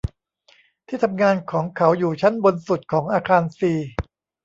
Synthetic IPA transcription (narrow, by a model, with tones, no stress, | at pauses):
t̪ʰiː˥˩t̪ʰa˧mŋaː˧nkʰɔː˩˦ŋkʰa˩˦wjuː˨˩t͡ɕʰa˦˥nbo˧nsu˨˩t̪̚kʰɔː˩˦ŋʔaː˧kʰaː˧nsiː˧